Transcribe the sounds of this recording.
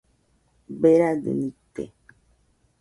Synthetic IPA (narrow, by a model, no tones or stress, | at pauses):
beɾadə̰nit̪ḛ